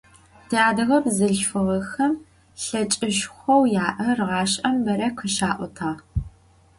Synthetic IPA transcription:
tʰiaːdɐɣɐbzɨɮfɨʁɐxɐm | ɬɐt͡ʃʼɪʃxʷɔwjaːʔɐrʁɑːɕʼʔɐmbɐɾɐqʰəʃaːʔʷɔtʰaː

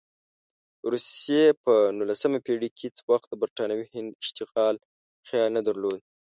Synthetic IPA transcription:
ɾusjepənulasəmapeɽikʰet͡swaxt̪̚d̪əbaɾʈɑnawihɪnd̪ɪʃt̪ɪqɑl | xjɑlnad̪aɾlod̪̚

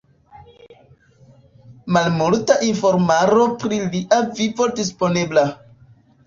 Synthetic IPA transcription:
malmultaʔinfo̞ɾmaɾo̞pɾiliʔavivo̞dispo̞nebla

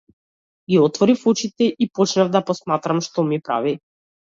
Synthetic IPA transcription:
ɡʲiɔt̪vɔɾifut͡ʃit̪ɛʔipɔt͡ʃnavd̪apɔsmat̪ɾamʃt̪ɔmipɾa̰vi

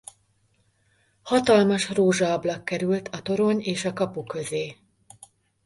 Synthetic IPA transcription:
hɒt̪ɒlmɒʃroːʒɒɒblɒkːɛɾylt̪ʰɒt̪o̞ɾo̞ɲeːʃɒkɒpukøzeː

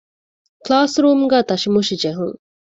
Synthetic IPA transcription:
klaːsɾuːmɡæːt̪ɐʃimuʃid͡ʒeɦuŋ

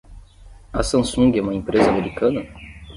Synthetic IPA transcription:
ɐsɐ̃sũŋɡʲiɛũmɐẽpɾezɐameɾikɐ̃nɐ

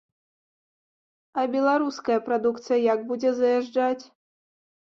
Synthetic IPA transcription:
ɐbʲɛlˠaɾuskɐjɐpɾad̪ukt̪sɨjɐjaɡbud͡zʲɛzɐjaʐd͡ʐat͡sʲ

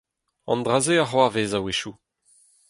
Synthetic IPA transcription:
ɑ̰̃nd̪ʁazeaχwaveːzaweʃu

